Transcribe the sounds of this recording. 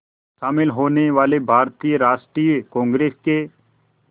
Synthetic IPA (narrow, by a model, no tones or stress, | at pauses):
ʃaːmɪlɦoːneʋaːlebʱaːɾt̪iːjəɾaːʃʈɾijkɔ̃ːŋɡɾeːske